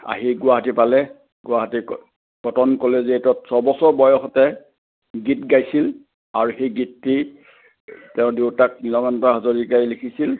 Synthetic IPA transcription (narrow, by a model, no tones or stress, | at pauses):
a̰ɦiɡʊwaɦatipalɛ | ɡʊwaɦati | ɡ̥ɔtɔnkɔlɛzetɔtsɔbɔsɔɹbɔjɔxɔtɛ | ɡitɡajsil | aɹuxejɡitːi | tɛʊ̃dewtak̚nilɔmɔntaɦɔzoɹikaɹilikʰisil